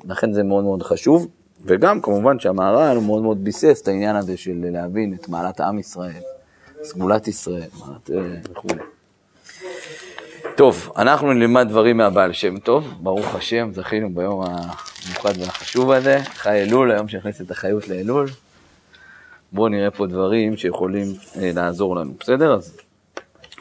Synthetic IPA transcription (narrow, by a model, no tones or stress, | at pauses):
laχe̞nze̞meo̞d̪meod̪χaʃuv | ve̞ɡamkamuvanʃeamaːʁanumeo̞d̪me̞od̪bise̞stainjanaze̞ʃe̞lːeavinet̪ma̰ːlat̪a̰misʁae̞l | sɡulat̪isʁae̞lma̰ːlat̪eveχṵle̞̰ | t̪o̞va̰naχnunlimad̪̚d̪vaʁimeabaːlʃe̞mt̪o̞vbaʁuχaʃe̞mzaχinubajo̞mamjuχad̪veaχaʃuvaze̞χajelulajo̞mʃeniχniset̪aχajutleelul | bo̞niʁe̞po̞d̪vaʁimʃe̞je̞χo̞limelaːzo̞ʁlanṵbese̞d̪e̞ʁaz